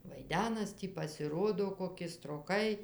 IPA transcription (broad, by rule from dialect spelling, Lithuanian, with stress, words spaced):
ʋɐɪˈdʲæːnɐs ˈtʲiː pɐsʲɪˈroːdoː koːˈkʲɪ stroːˈkɐɪ